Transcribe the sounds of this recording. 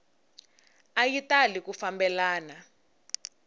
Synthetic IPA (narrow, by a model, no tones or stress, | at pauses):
ajitalikufambɛlaːna